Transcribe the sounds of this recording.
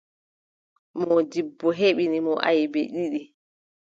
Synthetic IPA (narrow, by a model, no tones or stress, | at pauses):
mɔd͡ʒibːɔɦeɓinimɔʔajbɛ̰ɗiɗi